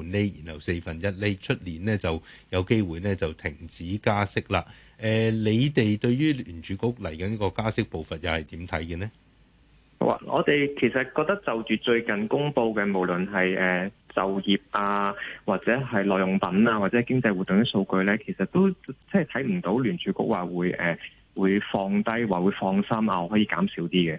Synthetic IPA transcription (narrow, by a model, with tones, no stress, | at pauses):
u˨˥nle˥jḭː˨˩nhɐ˨wse˧jfɐ˨njɐ˥t̚le˦˥t͡ʃʰɵ˥t̚liː˨˩nɛː˥t͡sɐ˨˩wjɐ˨˧wke˥jwuː˨jnɛː˥t͡sɐ˨wt̪ʰɪ˨˩ŋt͡siː˨˥kaː˥sɪ˥k̚laː˧ | ʔɛː˧le˨˧jt̪e˨jt̪ɵ˧ɥjyː˥lyː˨˩nt͡ʃyː˨˧kʊ˨˥k̚lɐ˨˩jkɐ˨˦nɐ˥kɔː˧kaː˥sɪ˥k̚po˨wfɐ˨t̚jɐ˨˩hɐ˨jt̪iː˨˥mt̪ʰɐ˨˥jkɛ˧nɛ̰˥˨ | wa̰ː˨˩ŋʔɔ̰ː˨˧t̪e˨jkʰe˨˩jsɐ˨t̚kɔː˧k̚t̪ɐ˥k̚t͡sɐ˨wt͡ʃyː˨t͡ʃɵ˧ɥkɐ˨nkʊ˥ŋpo˧wkɛː˧mo˨˩wlɵ˨˩nɦɐ˨jɛː˨˩t͡sɐ˨wjiː˨p̚ʔaː˧waː˨t̚t͡sɛː˨˥ɦɐ˨jlɔː˨˩jʊ˨˩ŋpɐ˨˥naː˧wa˨t͡sɛː˨˥˨jkɪ˥ŋt͡sɐ˧jwu˨t̪ːʊ˨ŋj̪ɐ˥so˧wkɵ˧ɥlɛː˥kʰe˨˩sɐ˨t̚t̪o˥wt͡sːɛ˨˩t̪ʰɐ˨˥jm̩˨˩t̪o˨˥wlyː˨˩nt͡ʃʰyː˨˥kʊ̰˥k̚waː˨wuː˨˧jɛː˨˩ | wuː˨˧jfɔː˧ŋt̪ɐ˥jwaː˨wuː˨˧jfɔː˧ŋsɐ˥mʔa̰ː˧ɔ˧hɔː˨˥jiː˧˥kaː˨˥msiː˨˥wt̪iː˥kɛ˨˧